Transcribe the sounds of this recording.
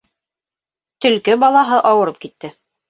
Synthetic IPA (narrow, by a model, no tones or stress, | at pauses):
t̪ɵ̆lkɘbɑlˠɑɦɤʔɑwɤ̆ɾɤp̚kit̪ːɘ